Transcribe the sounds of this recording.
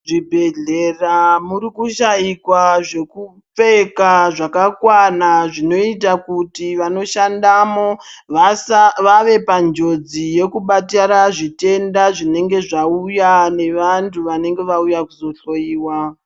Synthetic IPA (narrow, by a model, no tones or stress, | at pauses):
ʐibʱe̞ɮe̞ramuɾikuʃajikwaʐe̞ku | p͡fe̞kaʐakakwanaʐino̞itakutiʋano̞ʃandamo̞ʋasʋaʋe̞pand͡ʒo̞d͡zije̞kuɓataɾaʐite̞ndaʐine̞ŋɡe̞ʐaujane̞ʋantʰuʋane̞ŋɡe̞ʋaujakuzo̞ɬo̞jiːwa